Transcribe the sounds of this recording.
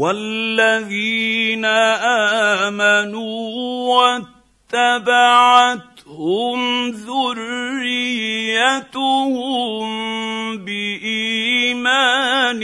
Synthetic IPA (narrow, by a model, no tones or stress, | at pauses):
walːaðiːnaʔaːmanuːwat̪ːabaʕat̪hʊmðʊrːɪjjat̪ʊhʊmbɪʔiːmaːn